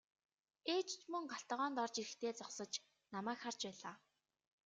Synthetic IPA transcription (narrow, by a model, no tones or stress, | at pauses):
eːt͡ɕt͡ɕmɵŋɢaɬt̪̆ʁɔːnt̪ɔrt͡ɕiɾɘ̆xt̪ʰeːt͡sɔχsə̆t͡ɕ | namæːkχart͡ɕpæːɮaː